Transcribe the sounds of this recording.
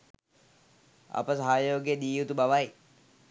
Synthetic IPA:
a̰pəsaɦaːjoːɡijəd̪iːjut̪ubaʋaj

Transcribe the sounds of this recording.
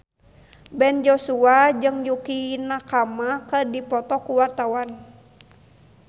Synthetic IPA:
bɛnd͡ʒɔsuad͡ʒɨŋjukinakamakədipɔt̪ɔkuwart̪awan

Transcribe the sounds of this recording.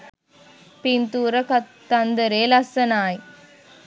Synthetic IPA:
pint̪uːɾɐkɐt̪ːɐnd̪ɐɾeːlɐsːɐnaːj

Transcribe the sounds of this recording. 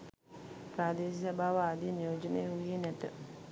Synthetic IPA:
pɾaːd̪eːsisabaːʋaad̪inijoːd͡ʒənəjəuijenæt̪ə

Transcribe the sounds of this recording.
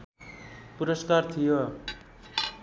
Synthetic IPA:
puɾʌskart̪ʰijo

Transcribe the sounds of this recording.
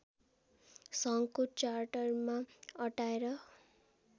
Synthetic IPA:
sʌŋkot͡ʃarʈʌrmaʌʈaeɾʌ

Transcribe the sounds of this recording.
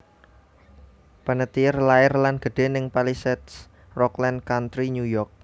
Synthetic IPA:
panət̪irlaɪrlanɡ̥ə̤ɖ̥e̤nɪŋpalisɛt̪s | rɔklankant̪ɾiɲujɔrk̚

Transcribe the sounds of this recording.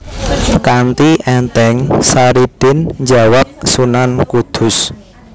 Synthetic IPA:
kant̪iʔɛnt̪ɛŋsaɾid̪̥ɪnɲd͡ʒawak̚sunankud̪̥ʊ̤s

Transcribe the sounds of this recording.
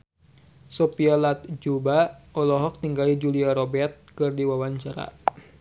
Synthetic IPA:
sopialat̪̚d͡ʒubaɔlɔɦɔk̚t̪iŋɡalid͡ʒuliaɾɔbɛrt̪̚kɨrdiwawaɲt͡ʃaɾa̰

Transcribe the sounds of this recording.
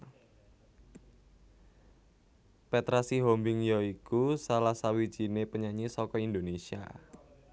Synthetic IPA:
pɛt̪ɾasiɦombɪŋjɔikusalasawi̥ʒ̥i̤nepəɲaɲisɔkɔind̪onesia̰

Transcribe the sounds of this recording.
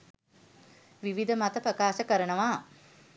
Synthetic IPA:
ʋiʋid̪əmat̪əpɾəkaːʃəkəɾənəʋaː

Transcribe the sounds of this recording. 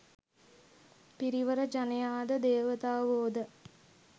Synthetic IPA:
piɾiʋəɾəd͡ʒanejaːd̪əd̪eːʋət̪aːʋoːd̪ə

